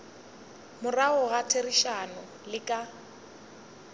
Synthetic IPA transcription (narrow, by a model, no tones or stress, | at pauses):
mʊraʊɣatʰeriʃanʊ | lɪkʼa